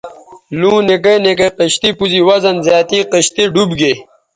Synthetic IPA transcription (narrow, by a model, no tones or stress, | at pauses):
lũːnek̬enek̬eqəɕt̪ipuziwɐzɐnzjaːt̪iqəɕt̪iɖubɡe